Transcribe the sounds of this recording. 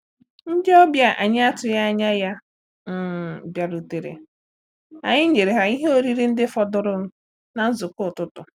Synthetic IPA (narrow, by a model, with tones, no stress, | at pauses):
n̩˦dɪ˦ɔ˦bja˦ʔa̰˨ɲɪ˦a˦tʊ˨ja˦a˦ɲa˦ja˦˨ | bja˨ɾu˨te˨ɾḛ˨ | a̰˨ɲɪ˦ɲe˨ɾe˨ɦa˨i˦ɦe˦o˦ɾi˦ɾi˦n̩˦dɪ˦fɔ˦dʊ˦ɾʊ˦n̩˦ | na˨n̩˦zʊ˨kʊ˦˨tʊ˦tʊ˨